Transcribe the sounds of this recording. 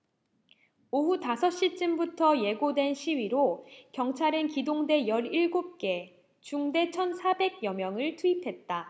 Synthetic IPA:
oɦutasʰʌɕ͈it͡ɕ͈ɯmbutʰʌje̞ɡodwe̞nɕʰiɥiɾokjʌŋt͡ɕʰaɾɯnkidoŋde̞jʌɾiɭɡop̚k͈e̞ | t͡ɕuŋde̞t͡ɕʰʌnsʰabe̞ɡ̚jʌmjʌŋɯɭtʰuipʰe̞t̚t͈a

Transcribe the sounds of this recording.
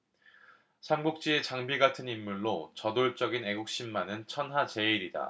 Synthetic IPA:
sʰamɡuk̚t͡ɕ͈ie̞t͡ɕaŋbiɡatʰɯnimːuɭːot͡ɕʌdoɭt͡ɕ͈ʌɡine̞ɡuk̚ɕ͈imːanɯnt͡ɕʰʌnɦat͡ɕe̞iɾida̰

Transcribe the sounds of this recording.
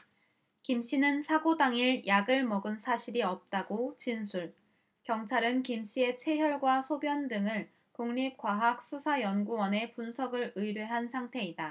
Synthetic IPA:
kimɕ͈inɯnsʰaɡodaŋiɭjaɡɯɭmʌɡɯnsʰaɕʰiɾiʌp̚t͈aɡot͡ɕinsʰuɭ | kjʌŋt͡ɕʰaɾɯnkimɕ͈ie̞t͡ɕʰe̞ɦjʌɭɡwasʰobjʌndɯŋɯɭ | koŋɲip̚kwaɦak̚s͈ʰusʰajʌnɡuwʌne̞punsʰʌɡɯɾɯiɾjoɦansʰaŋtʰe̞ida

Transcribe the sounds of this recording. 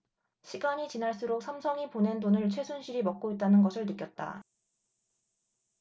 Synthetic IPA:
ɕʰiɡaɲit͡ɕinaɭs͈uɾok̚sʰamsʰʌŋipone̞ndonɯɭt͡ɕʰwe̞sʰunɕʰiɾimʌk̚k͈oit̚t͈anɯnɡʌsʰɯɭnɯk͈jʌt̚t͈a̰

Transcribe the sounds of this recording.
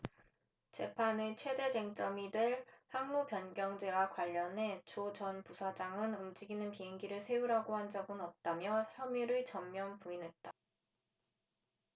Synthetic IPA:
t͡ɕe̞pʰanet͡ɕʰwe̞de̞d͡ʑe̞ŋt͡ɕ͈ʌmidwe̞ɭhaŋnupjʌnɡjʌŋd͡ʑe̞wakwaʎːʌnɦe̞t͡ɕot͡ɕʌnpusʰad͡ʑaŋɯnumd͡ʑiɡinɯnpiɦeŋɡiɾɯɭsʰe̞uɾaɡohand͡ʑʌɡɯnʌp̚t͈amjʌçjʌmiɾɯɭt͡ɕʌmːjʌnpuinɦe̞t̚t͈a

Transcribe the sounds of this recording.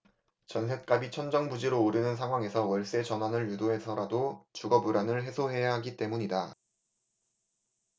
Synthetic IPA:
t͡ɕʌns̬ʰe̞t̚k͈abit͡ɕʰʌnd͡ʑʌŋbud͡ʑiɾoːɾinɯnsʰaŋwaŋe̞sʰʌwʌɭs͈e̞t͡ɕʌnwanɯɭjudoe̞sʰʌɾadot͡ɕuɡʌbuɾanɯɭɦe̞sʰoɦe̞jaɦaɡit͈e̞muɲida

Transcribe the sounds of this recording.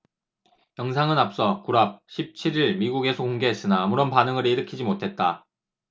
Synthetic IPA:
jʌŋsʰaŋɯnap̚s͈ʌkuɾap̚ɕʰip̚t͡ɕʰiɾiɭmiɡuɡe̞sʰʌkoŋɡe̞ɦes͈ɯnaːmuɾonpanɯŋɯɾiɾɯkʰid͡ʑimotʰe̞t̚t͈a

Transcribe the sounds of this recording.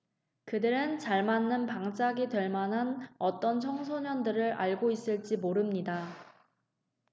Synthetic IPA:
kɯdɯɾɯnt͡ɕaɭmanːɯnpaŋt͡ɕ͈aɡitwe̞ɭmanɦanʌt͈ʌnt͡ɕʰʌŋsʰoɲʌndɯɾɯɾa̰ɭɡois͈ɯɭt͡ɕ͈imoɾɯmɲida

